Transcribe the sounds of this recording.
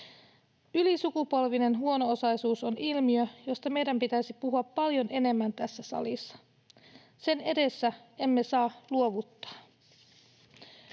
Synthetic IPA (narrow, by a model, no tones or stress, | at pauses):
ylisukupo̞lʋine̞nɦuo̞no̞osɑjsuːso̞nʔilmiøjo̞st̪ɑme̞jdæmpit̪æisipuɦuɑpːɑljo̞ne̞ne̞mːænt̪æsːæsɑ̰lisːɑ̥ | se̞ne̞de̞sːæ | e̞mːe̞sɑːluo̞ʋut̪ːɑ̥ː